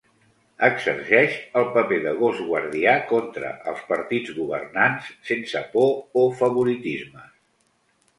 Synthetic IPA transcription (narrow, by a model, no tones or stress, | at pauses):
əɡzə̰rʒɛʃəlˠpəpeðəɣ̞ozɣwə̰ɾð̞iakɔnt̪ɾə̰ʔə̰lˠspəɾt̪id͡zɣuβə̰rnansːensəpoːfəβuɾit̪izmə